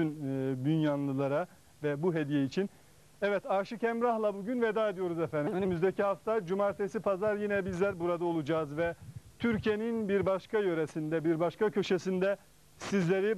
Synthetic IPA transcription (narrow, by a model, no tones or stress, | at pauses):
ynd̪ynjanlˠɯlˠaɾa | vɛbuɦe̞d̪ijɛit͡ʃʰin | ɛvɛt̪aːɾʃɯcʰɛmɾahlˠabuɟynved̪aːed̪ijo̞ɾuzɛfænd̪inimyzd̪ɛcʰiɦaft̪ad͡ʒumaɾt̪ʰesipʰazaɾjinɛbizlʲæɾbuɾad̪ao̞lˠud͡ʒaːzvɛt̪ʰyɾcʰijeninbiɾbaʃkajø̞ɾesind̪ɛbiɾbaʃkacʰø̞ʃesind̪ɛ | sizlʲe̞ɾi